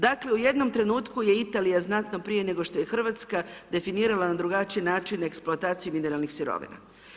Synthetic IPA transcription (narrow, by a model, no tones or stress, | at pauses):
d̪akle̞uje̞d̪no̞mt̪ɾe̞nuːt̪kuje̞it̪aːlijaznat̪no̞pɾijene̞ɡo̞ʃt̪o̞je̞xr̩ʋat̪skad̪e̞finiːɾalˠanad̪ɾuɡat͡ʃijenaːt͡ʃineksplˠoat̪aːt̪sijumine̞ɾalˠnixsiɾo̞̰ʋḭna̰